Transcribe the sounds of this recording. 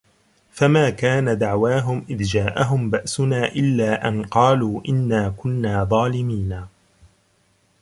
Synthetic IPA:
famaːkaːnad̪aʕwaːɦʊmʔɪðd͡ʒaːʔaɦʊmbaʔsʊnaːʔɪlːaːʔanqɑːluːʔɪnːaːkʊnːaːðˤɑːlɪmiːnaː

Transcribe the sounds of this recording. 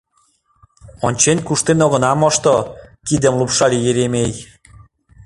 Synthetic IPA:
onʲt͡ɕenʲkuʃt̪enoɣɤ̆nɑmoʃt̪okid̪ə̆mlupʃɑlijeɾemej

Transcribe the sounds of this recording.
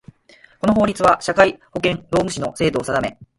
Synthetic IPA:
ko̞no̞ɦo̞ːɾʲit͡sɨβaɕakaiho̞kẽ̞ɴɾo̞ːmɯ̟ɕino̞̰se̞ːd̪o̞ːsad̪ame̞

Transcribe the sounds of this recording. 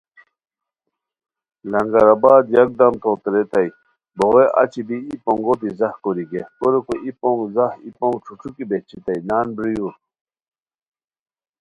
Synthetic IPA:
lɐŋɡaɾabaːd̪jɐk̚d̪ɐmt̪ʰot̪ɾet̪aj | boɣeʔa̰t͡ɕʰibiipoŋɡot̪izahkoɾiɡekoɾekoʔipoŋɡzahḭpoŋʈ͡ʂʰuʈ͡ʂʰukibet͡ɕʰit̪ajnaːnbɾiju

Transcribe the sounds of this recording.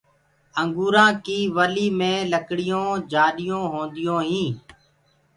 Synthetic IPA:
əŋɡuːɾãːkiːʋəliːmẽːləkɽɪjõːd͡ʒaːɗɪjõːɦõːnd̪ɪjõːɦĩː

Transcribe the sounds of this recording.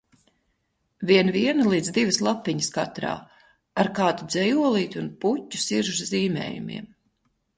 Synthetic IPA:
viɛnviɛnɐlˠiːd̪zd̪ivɨslˠapːiɲəskat̪ɾa̰ː | aɾkaːt̪ud̪zɛjuɔlˠiːt̪ʲunputʲːu̥siɾʒzziːmʲɛ̰ːjṵmʲḭɛm

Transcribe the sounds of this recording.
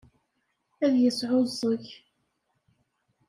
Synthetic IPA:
æðjəsʕozˤəç

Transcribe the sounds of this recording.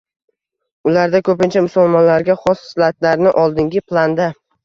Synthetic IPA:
ʊlaɾd̪akʰɵpɪnt͡ʃʰamʊsʊlˠmɒnlaɾɡʲaχɒsslat̪laɾnɪʔɒlˠd̪ɪŋɡʲɪplˠand̪a

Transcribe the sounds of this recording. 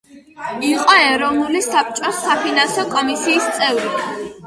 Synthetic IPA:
iqʼɔɛɾɔvnulisap̚ʰt͡ʃʼɔsapʰinansɔkʼɔmisiːst̪sʼɛvɾi

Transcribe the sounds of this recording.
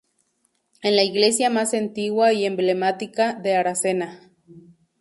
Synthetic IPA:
enlaiɣlesjamasent̪iɣwaiemblemat̪ikaðeaɾasena

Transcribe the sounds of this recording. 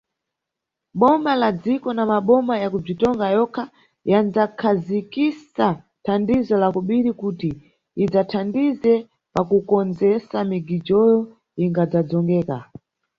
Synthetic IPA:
ɓɔmalad͡zikɔnamaɓɔmajakub͡ʐitɔŋɡajɔkʰa | jand͡zakʰazikisa | tʰandizɔlakɔɓiɾikutiː | d͡zatʰandizɛ | pakukɔnd͡zɛsamiɡid͡ʒɔjɔ | iŋɡad͡zad͡zɔŋɡɛːka̰

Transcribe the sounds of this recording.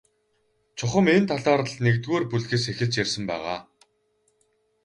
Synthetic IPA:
t͡ɕʰʊχə̆ment̪ʰaɮɔːɾə̆ɮnekt̪ɣoːrpuɮxeːsexɘ̆ɮt͡ɕjersə̆mpæ̰ːʁa̰ː

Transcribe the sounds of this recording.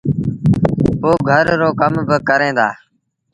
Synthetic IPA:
poːɡʱəɾːoːkəmbəkəɾẽːd̪aː

